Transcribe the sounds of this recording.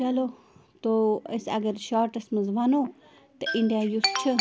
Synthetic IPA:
ɐlo | t̪oɐsɐ̰ɡɐɾʃaːɾʈɐsmɐzʋɐnoː | t̪ɐʔiɳɖijajust͡ʃʰə

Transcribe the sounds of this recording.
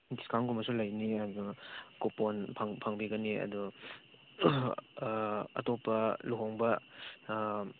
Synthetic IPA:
diskawnɡumɐsulɐjniɐdukoponpʰaŋpʰaŋbiɡɐniɐ̰du | ɐ̰tɔpːɐluɦɔŋbɐ

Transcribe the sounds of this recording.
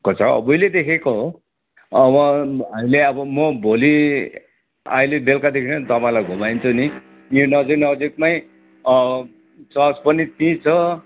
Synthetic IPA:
kot͡sʰʌʌ̰bʌjled̪ekʰekoɦo | ʌbʌɦamileʌbʌmʌbʱoli | a̰ilebelkad̪ekʰinʌt̪ʌpaj̃lajɡʱumajnt͡sʰuni | jonʌd͡ziknʌd͡zikmaj | ʌ | t͡sʌspʌnit̪ĩt͡sʰʌ

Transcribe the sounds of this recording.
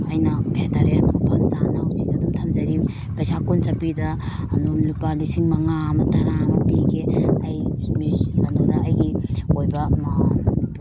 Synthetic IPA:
ajnɐkʰetʰaɾeɐnupʰɐmzanawsiŋɐduŋtʰɐmzɐɾi | pajsakunsapidɐː | numlipalisiŋmɐŋamɐtaɾamɐpiɡeajmiɡanodaːjɡiojbɐm

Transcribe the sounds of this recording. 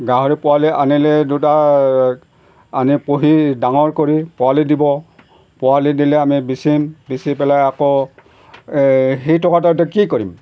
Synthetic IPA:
ɡaɦoɹipɔwaliʔanilɛduta | anipoɦidaŋɔɹkoɹipɔalidibɔ | pɔwalidilɛamibisimbisipɛlajakɔ | xejtɔkatat̬ɛkikoɹim

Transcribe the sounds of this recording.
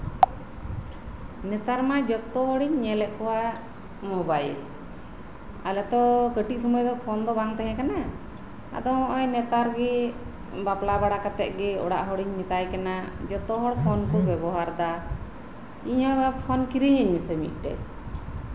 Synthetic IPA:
nɛt̪aɾmad͡ʒɔt̪ɔɦɔɽiɲːɛlɛʔkɔwa | mɔbajɛ̰ | a̰lɛt̪ɔkəʈiʔ̚sɔmujd̪ɔpʰɔnd̪ɔbaŋt̪ɛɦɛ̃kana | a̰d̪ɔɔ̃ʔɔjnɛt̪aɾɡɛ | baplabaɽakat̪ɛ̰ʔ̚ˀɡɛɔ̰ɽa̰ʔɦɔɽiɲmit̪ajkanad͡ʒɔt̪ɔɦɔɽpʰɔnkɔbɛbɔɦaɾd̪a | iɲaɡapʰɔnkiɾiɲəɲmisɛmḭt̪̚ˀɖɛ̰

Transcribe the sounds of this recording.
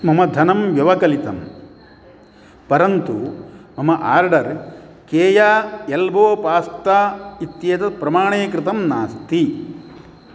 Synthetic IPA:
mɐmɐd̪ʱɐnɐmʋjɐʋɐkɐlit̪ɐm | pɐɾɐnt̪umɐmɐʔaːɾɖɐɾ | keːjaːelboːpaːst̪aːit̪jeːt̪ɐpɾɐmaːɳeːkɾɪt̪ɐmnaːst̪i

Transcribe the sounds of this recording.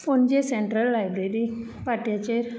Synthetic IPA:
fond͡ʑeseɳʈɾəlːajbɾeɾi | paʈjat͡ɕeɾ

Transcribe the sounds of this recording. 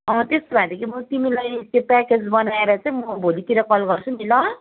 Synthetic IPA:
ʌ̃ɦt̪est̪obʱãd̪ekimʌt̪imilajekʈepaked͡zbʌnaeɾʌt͡saĩmʌbʱolit̪iɾʌkʌlɡʌrt͡sʰumilʌ

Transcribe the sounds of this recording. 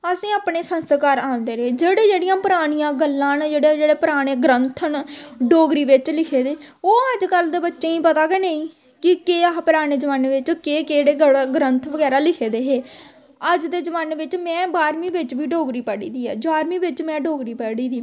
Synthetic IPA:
əsĩːaːpɳeːsənst̪kaːɾãːnd̪eːɾeeːd͡ʒeːɽeːd͡ʒeːɽijãːpəɾaːɽ̃ijãːɡəlːãːnd͡ʒeːɽeːd͡ʒeːɽeːpəɾaːɽ̃eːɡɾənt̪ʰənɖoːɡɾiːʋɪt͡ʃlɪkʰeːd̪eːoːəd͡ʒkəld̪eːbətːʃeːĩːpət̪aːkeneĩː | kɪkeːpəɾaːneːd͡ʒəʋaːnʋɪt͡ʃkeːkeːɽeːɡəɡɾənt̪ʰʋəɡɛːɾaːlɪkʰeːd̪eːɦeː | əd͡ʒd̪eːd͡ʒəʋaːnʋɪt͡ʃmɛ̃ːbaːɾmiːʋɪt͡ʃʋiːɖoːɡɾiːpəɽḭːd̪iːɛ̰ːd͡ʒaːɾmĩːʋɪt͡ʃmɛ̃ːɖoːɡɾiːpəːɽiːd̪iː

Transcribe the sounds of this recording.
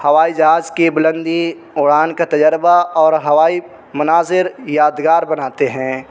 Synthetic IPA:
hɐʋaːid͡ʒɐaːd͡ʒkebɪlə̃nd̪i | oːɽaːnkat̪ɐd͡ʒəɾbaɔːɾɦɐʋaːi | mʊnaːzɪɾjaːd̪ɡaːɾbɐnaːt̪eɦɛ̃ː

